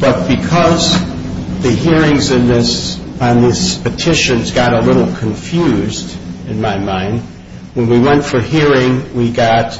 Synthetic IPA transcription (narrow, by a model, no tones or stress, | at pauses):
b̥ʌt̚b̥ɨkʰʌz | ðɨɦiɹɪ̃ŋzɨ̃nðɪs | nðɪspɨtʰɪʃɨ̃nzɡɑɾəlɪɾl̩ˠkʰɨ̃ɱfjʉzdɨ̃nmaɪmãɪ̃nd̚ | wə̃nwiwɛ̃ntfə˞hiɹɪ̃ŋwiɡɑt̚